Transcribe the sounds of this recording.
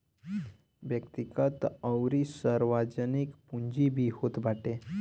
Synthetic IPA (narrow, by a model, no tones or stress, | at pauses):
bjəkt̪ikat̪əwɾisəɾʋad͡ʑənikpuɲd͡ʑibʱiːhot̪bʱaʈe